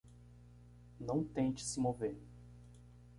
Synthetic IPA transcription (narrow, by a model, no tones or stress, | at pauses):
nɐ̃w̃t̪ẽt͡ʃɪ̥sɪmoveɾ